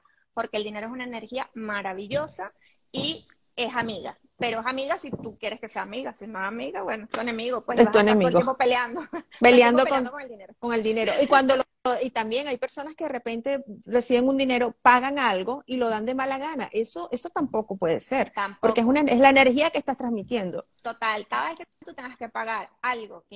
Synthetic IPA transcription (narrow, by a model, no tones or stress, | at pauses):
po̞ɾke̞ːld̪ine̞ɾoes̬unaene̞ɾxiamaɾaβiʝo̞sa | i | e̞samiɣa̰ | pe̞ɾoesamiɣasit̪ukje̞ɾeske̞se̞aːmiɣasinoesamiɣaβwenoest̪uenemiɣopweest̪uenemiɣoeospeljand̪opeljand̪okoŋokeld̪ineɾoko̞ŋe̞ld̪ine̞ɾoikwand̪olo | oit̪ambje̞ŋajpe̞ɾso̞naskeðere̞pe̞nt̪e̞re̞siβe̞ŋund̪ine̞ɾo̞paɣaŋalɣo̞ilo̞ð̞and̪e̞malaɣanaʔe̞so̞ʔeso̞t̪ampo̞ko̞pwe̞ðe̞se̞ɾampo̞ɾkees̬unaezlaene̞ɾxiakest̪ast̪ɾazmit̪je̞nd̪o | t̪ot̪alkaðaesket̪ut̪eŋɡaskepaɣaɾalɣok